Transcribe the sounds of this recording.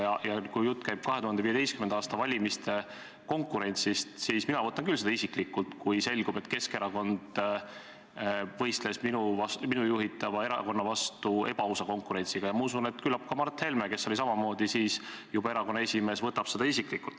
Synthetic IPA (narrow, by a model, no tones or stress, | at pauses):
jɑjɑkujjut̪ːˑkæjb̥̚kɑɦet̪uhɑnd̪eiːed̪e̞jstkymenɑːst̪ɑvɑlʲimist̪e̞ | ko̞ŋkːˑuɾe̞nʲt̪sist̪siːsminɑvɤt̪ːˑɑnŋkylsed̪ɑisiklikːult̪kujse̞lʲɡub̥e̞t̪ːke̞ske̞ɾɑko̞nd̪̥ | vɤ̞jst̪le̞sminuvɑsminujuɦit̪ːˑɑvɑe̞ɾɑ̰ko̞nːɑvɑst̪ue̞b̥ɑuwsɑko̞ŋkˑuɾe̞nʲsiɡ̥ɑjɑmɑus̬une̞t̪kylːɑp̚kɑmɑrt̪he̞lmeke̞sːo̞lis̬ɑmɑmo̞ːd̪isiːsjubɑe̞ɾɑko̞nːɑe̞sʲime̞ːsvɤt̪ːɑb̥se̞d̪ɑisiklikult̪ːˑ